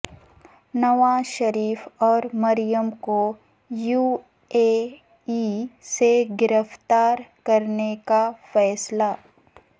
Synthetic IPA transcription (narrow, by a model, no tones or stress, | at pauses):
nɐʋaːʃɐɾiːfɔːɾmɐɾijəmko | juː | e | iseɡɪɾəft̪aːɾkɐɾnekafɛːsla